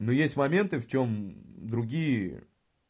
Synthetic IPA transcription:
nojesʲtʲmɐmʲe̞nt̪ɨft͡ɕo̞md̪ɾʊɡʲijə

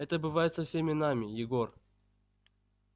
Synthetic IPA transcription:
ɛt̪əbɨvajɪt̪sɐfsʲemʲɪnamʲɪjɪɡor

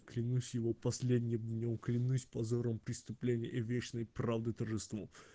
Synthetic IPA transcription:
klʲɪnusʲjɪvopɐsʲlʲed̪ʲnʲɪmd̪ʲnʲomklʲɪnusʲpɐzoɾəmpɾʲɪst̪ʊplʲenʲɪjəʔivʲet͡ɕnəjpravd̪ɨt̪ərʐɨst̪vo

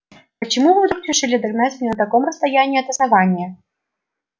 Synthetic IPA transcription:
pət͡ɕɪmuvɨvd̪ɾukɾʲɪʂɨlʲɪd̪ɐɡnat͡sʲmʲnʲɛnət̪ɐkomɾəst̪ɐjanʲɪːɐt̪əsnɐvanʲɪjə

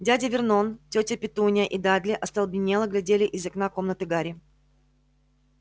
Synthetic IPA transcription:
dʲædʲɪvʲɪrnontʲotʲəpʲɪt̪unʲəʔid̪ad̪ʲlʲɪʔɐst̪ɐlˠbʲɪnʲelˠəɡlʲɪdʲelʲɪʔɪzɐknako̞mnət̪ɨɡaɾʲɪ

